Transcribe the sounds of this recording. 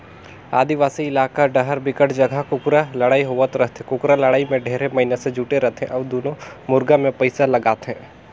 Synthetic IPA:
a̰ːd̪iʋaːsiɪlaːkaɖəɦəɾbɪkəʈd͡ʒɐɡʱakʊkʊɾalɐɽaːiɦoʋət̪ɾəɦt̪ʰẽkʊkɾalɐɽaːimẽɖʱeːɾemɐɦinesed͡ʒʱuːʈeɾəɦt̪ʰɦḛ̃ʔɔːd̪oːnõmʊɾɡãmẽpəɪsalɐɡaːt̪ɦɛ̃ː

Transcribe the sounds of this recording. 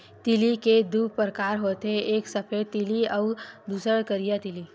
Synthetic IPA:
t̪iliked̪uːpɾəkaːɾɦoːt̪eeːksɐpʰeːt̪iliɔːʊd̪uːsəɽkəɾijat̪ɪli

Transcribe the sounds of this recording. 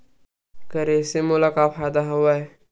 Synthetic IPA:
kəɾesemʊlakaːpʰaːd̪aɦʊʋaɛ

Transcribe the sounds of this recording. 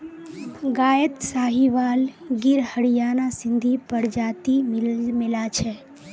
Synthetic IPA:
ɡaːjət̪saːɦiʋaːlɡɪɾhəɽijaːnasɪ̃nd̪ʱipəɽd͡ʒaːt̪immɪlat͡ʃʰɛ

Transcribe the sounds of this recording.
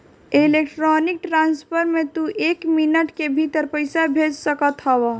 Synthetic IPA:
elek̚ʈɾɔnik̚ʈɾanspʰəɾmet̪uʔekminəʈkebʱit̪əɾpəɪsabʱed͡ʒsəkət̪ɦəwa

